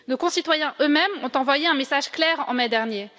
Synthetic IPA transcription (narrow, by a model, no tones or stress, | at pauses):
nokɔ̃sit̪wajɛ̃ʔømɛmɔ̃t̪ɑ̃vwajeɛ̃mesaʒklɛːʁɑ̰̃mɛd̪ɛʁnje